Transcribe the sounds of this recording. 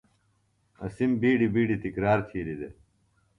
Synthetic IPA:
ɐ̰simbiːɖibiːɖit̪ikɾaːɾt̪ʰiːlid̪e

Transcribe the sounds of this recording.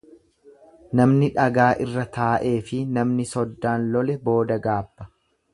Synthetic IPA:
nɐmnɪᶑɐɡaːʔɪrːɐt̪ʰaːʔe̞ːfɪnɐmnɪsɔd̪ːaːnlɔlɛbo̞ːd̪ɐɡaːbːɐ̥

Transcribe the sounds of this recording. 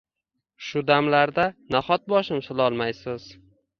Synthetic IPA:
ʃʊd̪amlaɾd̪anaχɒt̪̚bɒʃɪmsɪlˠɒlˠmajsɪz̥

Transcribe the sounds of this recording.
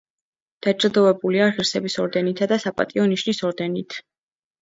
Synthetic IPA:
d̪̥at͡ʃʼlˠd̪ɔvɛbuliaʁiɾsɛbisɔɾd̪ɛnit̪ʰad̪asapʼa̰t̪ʼiɔniʃnisɔɾd̪ɛnit̪ʰ

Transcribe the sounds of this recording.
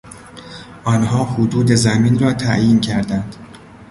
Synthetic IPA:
ʔɒːnhɒːhod̪uːd̪e̞zæmiːnrɒːt̪ʰæʔjiːncʰæɾd̪ænd̪̥

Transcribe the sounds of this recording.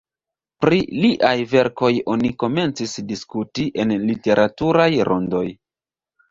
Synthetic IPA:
pɾiliʔajve̞ɾko̞jo̞niko̞me̞nt͡sisdiskutiʔe̞nlite̞ɾʔatuɾajɾʔo̞̰ndo̞j

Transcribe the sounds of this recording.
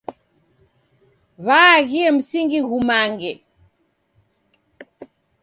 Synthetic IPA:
βaːɣiɛm̩siŋɡiɣumaŋɡɛ

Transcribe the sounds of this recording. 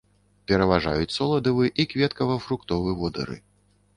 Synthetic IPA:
pʲɛɾɐvaʐa̰jut͡sʲsɔlˠɐd̪ɐvɨɛʔikvʲɛt̪kɐvɐfɾukt̪ɔvɨɛvɔd̪ɐ̰ɾɨ̰

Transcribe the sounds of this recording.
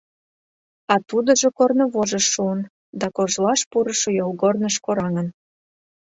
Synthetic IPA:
ɑt̪ud̪əʒokornoβoʒəʃːuən | d̪ɑkoʒlɑʃpuɾəʃojolɣornəʃkoɾɑŋən

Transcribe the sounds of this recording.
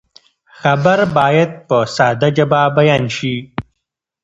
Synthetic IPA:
xabaɾbɑːjad̪̚pəsɑːd̪ad͡ʒababajɑnʃi

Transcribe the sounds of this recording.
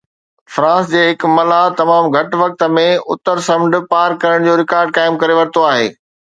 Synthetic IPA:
fɾãːsd͡ʑeːɦɪkmɐlat̪ɐmaːmɡʱɐʈʋɐk̚t̪ə̆mẽʊ̰t̪əɾsɐ̃mɳɖ̆paːɾkɐɾəɽ̃d͡ʑoːɾɪkaːɾɖ̚kaːɪmkɐɾeʋɐɾt̪oaːɦḛː

